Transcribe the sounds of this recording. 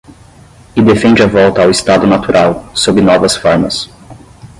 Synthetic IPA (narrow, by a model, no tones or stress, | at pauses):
ɪd̪efẽnd͡ʒɪɐvɔwt̪ɐːwɪst̪ad̪ʊnat̪uɾʔawsobɪnɔvɐsfɔɾmɐs